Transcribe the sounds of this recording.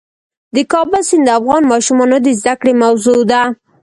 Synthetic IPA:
d̪əkɑbəlsɪnd̪əafɣɑnmɑʃumɑnod̪əzd̪akɽemawzod̪a

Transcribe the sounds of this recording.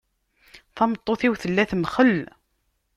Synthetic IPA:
θɑmət̪ˤːoθiwθəlːæθmχəlː

